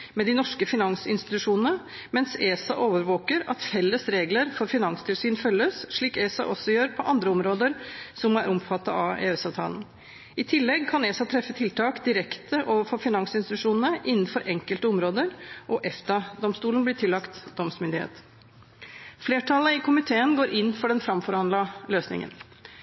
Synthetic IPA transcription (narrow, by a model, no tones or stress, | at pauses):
mɛd̪ɪnɔʂkəfɪnɑŋsɪ̰nst̪ɪ̥t̪ʉʂuːnənə | mɛnseːsɑʔoːʋəɾʋoːkəɾɑ̰t̪fɛlːəsɾeːɡləɾfɔɾfɪnɑŋst̪ʰɪlsyːnfœlːəsʂɭiːkeːsɑ̰ʔɔsːɔjøːɾpʰɔʔɑnd̪ɾəɔmɾoːd̪əɾsɔmːɔæɾɔmfɑt̪ːɑ̰ɑḛːøsɑʋt̪ʰɑ̰ːln̩ | ɪt̪ʰɪlːɛɡkʰɑneːsɑt̪ʰɾɛfːət̪ʰɪlt̪ʰɑːkd̪ɪɾɛkt̪ʰəʔoːʋəɾfɔɾfɪnɑŋsɪnst̪ɪt̪ʉʂuːnənəʔɪnːn̩fɔɾʔɛŋkəlt̪əɔmɾoːd̪əɾʔɔʔɛft̪ɑd̪ɔmst̪uːln̩b̪lɪʈʰɪlːɑkt̪d̪ɔmsmʏnd̪ɪhḛːt̪ | fleːʈʰɑləɪkʰʊmɪt̪ʰeːənɡoːɾʔɪnːfɔɖɛnfɾɑmfɔɾhɑnlɑløːsnɪ̰ŋə̰n